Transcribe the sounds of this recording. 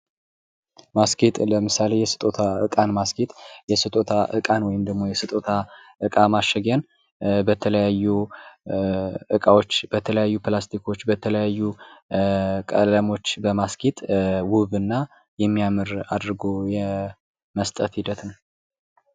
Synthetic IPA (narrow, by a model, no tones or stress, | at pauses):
masket̪ʼləmɨsale̞jɛsɨ̥t̪ʼot̪ʰaɨkʼanmaskʰet̪ʼjɛsɨt̪ʼot̪ʰaʔɨ̰kʼanwɔjɪmd̪əɡmo̞jɛsɨt̪ʼot̪ʰaʔɨkʼamaʃːɛɡjan | bət̪ʰələjajːu | ɨkʼawot͡ʃːbət̪ʰələjajːuplast̪ʰikʰo̞t͡ʃːbət̪ʰələjajːu | kʼə̰ləmo̞t͡ʃːbəmaskʰet̪ʼwʊβɨnːa | jɛmːijamɨɾad̪ɾɡojɛ | məst̪ʼət̪hid̪ət̪nəw